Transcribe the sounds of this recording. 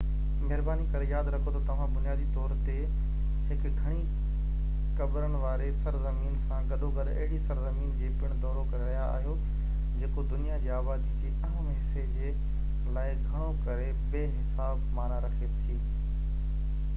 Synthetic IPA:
mɐɦɪɾbaːnikɐɾejaːd̪ɾɐkʰot̪ʰot̪ɐʋ̤ãbʊnijaːd̪it̪ɔːɾt̪e | ɦɪkɡʱɐɽ̃i | kɐbɾəɽ̃ʋaːɾesɐɾzɐmiːnsãɡɐɗoɡɐɗɐ̰ɦɪɽisɐɾzɐmiːnd͡ʑeːpɪɽ̃d̪ɔːɾokɐɾeɾɐɦijaa̰ːɦijo | d͡ʑeːkod̪ʊnijad͡ʑeːaːʋaːzd͡ʑeːɐɦəmɦɪsed͡ʑeː | laːɪɡʱɐɽ̃okɐɾe | beːɦɪsaːbmaːnaɾɐkʰet̪ʰiː

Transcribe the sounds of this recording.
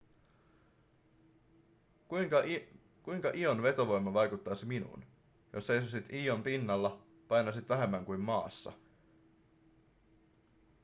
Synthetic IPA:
kujkɑ | kujŋkɑʔio̞nʋe̞t̪o̞ʋo̞jmːɑʋɑjkut̪ːɑjsiminṵːn | josːe̞jsosit̪iːo̞mpinːɑlːɑ | pɑjnɑsit̪ʋæɦe̞mːæŋkujmːmɑ̰ːsːɑ̰

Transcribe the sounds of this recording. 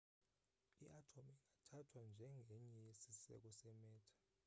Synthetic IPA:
iʔatʰomiiŋatʰatʰwand͡ʒʱɛŋɡʱɛɲɛjesisɛ̰k̬ɔsɛmɛːtʰḁ

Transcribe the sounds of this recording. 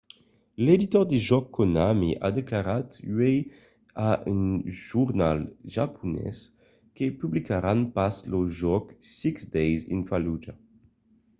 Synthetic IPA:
led̪it̪ɔʁd̪iʒɔkʰːonamiʔa̰d̪eklaʁat̪ɥej | aynʒuʁnalʒapʰunɛ̰s | kepyblikaɾanpasloʒɔksiksd̪ɛjzḭnfalud͡ʒa

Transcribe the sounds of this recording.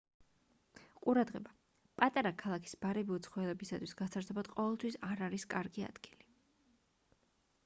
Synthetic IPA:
qʼuɾad̪ʁɛba | pʼat̪ʼaɾakʰalˠakʰi̥sbaɾɛbiut̪sʰχɔɛlɛbisat̪ʰwisɡ̥asʰaɾtsʰɔbad̪̥qʼɔvɛlˠt̪ʰwisaɾaɾiskʼaɾɡia̰d̪̥ɡ̥ili

